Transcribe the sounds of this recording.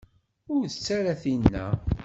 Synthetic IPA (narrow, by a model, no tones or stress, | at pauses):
ʊɾθət͡sːaɾaθinːæ̰